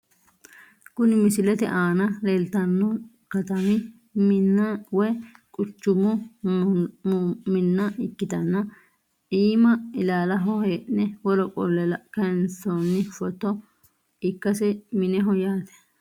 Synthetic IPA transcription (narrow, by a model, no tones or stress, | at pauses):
kʊnɪmɪsɪlɛt̪ɛ̰ʔaːnɐleːlt̪ɐnːɔ | kɐt̪ɐmɪ | mɪnːɐwɛkʼʊt͡ʃːʊmɔ | mɪnːɐʔɪkːɪd̪ɐnːɐ | ʔiːmɐɪlaːlɐɦɔheːʔnɛwɔlɔkʼɔ̰lːɛlɐkɐnsɔnːɪfɔt̪ːɔ | ɪkːɐsɛmɪnɛɦɔjaːt̪ɛ̥